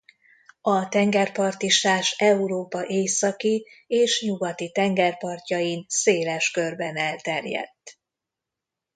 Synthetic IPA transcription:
ɒt̪ɛŋɡɛrpɒrt̪iʃt̪aːʃɛuɾoːpɒʔeːsɒkieːʃɲuɡɒt̪it̪ɛŋɡɛrpɒrcɒjinseːlɛʃkørbɛnɛlt̪ɛrjɛ̰t̪ː

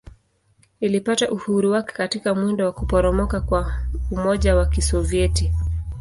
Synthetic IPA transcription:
nilipataʔuhuɾuwakɛ̥katikamwindɔwakupɔɾɔmɔkakwaumɔʄawakisɔviɛti

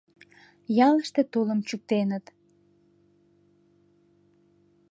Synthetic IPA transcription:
jɑləʃt̪et̪oləmt͡ɕuk̚t̪enət̪

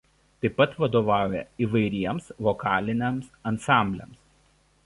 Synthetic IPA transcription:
t̪ɐɪpːɐt̪ʋɐd̪oːʋɑˑʊjɛiːʋɐɪɾʲiɛmsʋɔkɑːlʲɪnʲɛmsɐnsɑˑmʲbʲlʲɛ̰ˑms

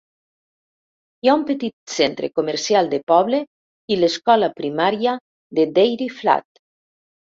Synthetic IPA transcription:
iaumpet̪it̪̚sent̪ɾḛkomeɾsialˠd̪epɔβle | ileskɔlapɾimaɾja | ðed̪ejɾifla̰t̪

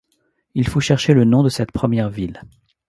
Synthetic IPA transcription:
ilfoʃɛʁʃelənɔ̃d̪əsɛt̪pχəmjɛʁvil

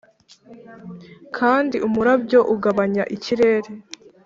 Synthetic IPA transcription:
kʰaːndiʔumuɾabɟo̞ʔuɡaβaɲaʔiciɾe̞ːɾe

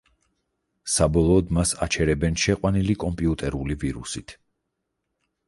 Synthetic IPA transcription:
sabɔlˠɔːd̪masa̰t͡ʃʰɛɾɛbɛnʃɛqʼwanilikʼɔmpʼiut̪ʼɛɾuliviɾṵsit̪ʰ

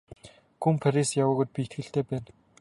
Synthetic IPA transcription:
ɡumpʰaɾisjawʊːɣŭjt̪̚piːet̪ɡɘ̆ɬt̪eːpæːn

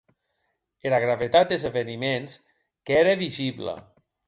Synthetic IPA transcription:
elaɣɾaβet̪at̪̚d̪ezeβenimens | keɾeβizibla̰

